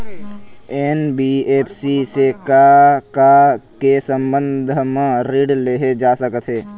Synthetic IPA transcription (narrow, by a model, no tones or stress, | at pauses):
eːnbiːeːpʰsisekakakesə̃mbə̃nd̪ʱmẽɾiːɽleɦed͡ʒaːsəkət̪ɦɛː